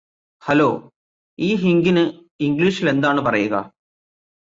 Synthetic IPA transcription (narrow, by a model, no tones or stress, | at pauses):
hɐloː | iːɦiŋɡinɨ | iŋɡliːʂile̞nd̪aːɳɨpɐrɐjuɣɐ̰